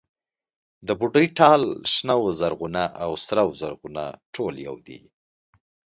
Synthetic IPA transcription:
d̪əbuɖəjʈɑlʃnawzaɾɣunaʔawsɾawzaɾɣuna̰ʈʰolja̰wd̪ḭ

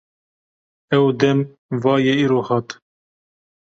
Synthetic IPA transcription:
ɛwd̪ɛm | vɑːjɛiːɾoːhɑːt̪

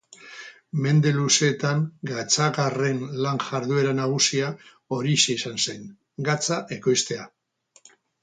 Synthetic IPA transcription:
me̞nd̪e̞luse̞t̪aŋɡat͡saɣare̞nlaŋʝaɾðue̞ɾanaɣ̞usia | o̞ɾiseisanse̞ŋ | ɡat͡saʔe̞ko̞jst̪e̞a

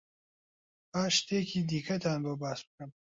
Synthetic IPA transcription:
aːʃt̪ekʰiːd̪iːkʰɐt̪ʰaːnbobaːsbɨkɨn

